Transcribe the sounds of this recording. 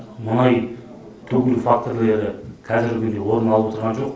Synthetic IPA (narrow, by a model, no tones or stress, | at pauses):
mʊnɑj | t̪ʰɵɡʲlufak̚t̪oɾle̞ɾɪqʰɑzɪɾɡʲɪd̪e̞wo̞ɾənɑlˠəwot̪əɾʁɑnʒo̞q